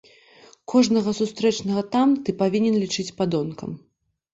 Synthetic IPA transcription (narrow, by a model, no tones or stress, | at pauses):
kʰɔʐnɐɣɐsust̪ɾɛt͡ʂnɐɣɐt̪amt̪ɨpavʲinʲɛnlʲit͡ʂɨt͡sʲpad̪ɔnkɐ̰m